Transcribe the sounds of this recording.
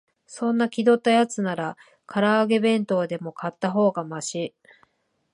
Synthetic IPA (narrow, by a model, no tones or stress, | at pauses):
sõ̞nːakʲid̪o̞t̪ːajat͡sɨnaɾa | kaɾaːɡe̞bẽ̞nt̪o̞ːd̪e̞mo̞kat̪ːaɦo̞ːɡamaɕi